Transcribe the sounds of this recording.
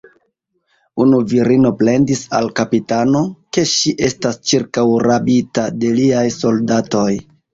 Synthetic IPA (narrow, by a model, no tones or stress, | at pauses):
unuviɾino̞ple̞ndisa̰lkapitano̞ke̞ʃiʔe̞stast͡ʃiɾkawɾabitade̞liajso̞ldato̞j